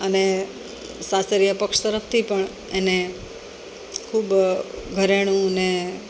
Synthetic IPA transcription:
əne | sasəɾjapəkʂt̪əɾəfʰt̪ʰipəɳ | ene | kʰuːbɡʱəɾeɽ̃ũəne

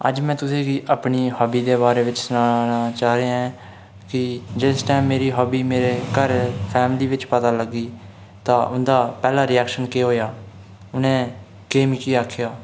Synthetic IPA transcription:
ə̰d͡ʒmɛ̃ːt̪ʊsĩːɡiːʔəpɳiːhɔːbiːd̪eːbaːɾeːʋɪt͡ʃsʊnaːnaːt͡ʃaːɾeãɛ̃ː | kɪd͡ʒɪsʈaːɪmːeːɾiːɦɔːbiːmeːɾeːkəɾpʰɛːmliːʋɪt͡ʃpət̪aːləɡːiː | t̪ãːʔʊnd̪aːpɛːlaːɾɪjɛːkʃənkeːɦoːjaː | ʊnẽː | keːmikiːaːkʰjaː

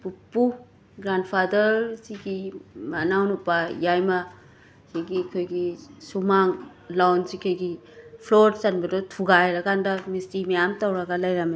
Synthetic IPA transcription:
pupːu | ɡɾandpʰadɐɾsiɡimanawnupajajma | kʰeɡikʰojɡisumaŋ | lawnsikʰɯjɡipʰloɾt͡ʃanbadɔtʰuɡajɾakandamistimajamtawɾaɡalajɾam

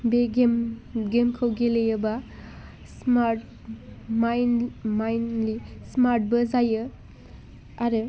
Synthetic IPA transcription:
beɡemɡemkʰəwɡelejəba | smaɾt̚ | majnmajnlismaɾt̚bɯzajɯ | aɾɯ

